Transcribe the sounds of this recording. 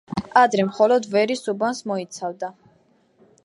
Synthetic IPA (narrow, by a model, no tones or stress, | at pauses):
ad̪ɾɛmχɔlɔd̪vɛɾisubansmɔit̪sʰavd̪a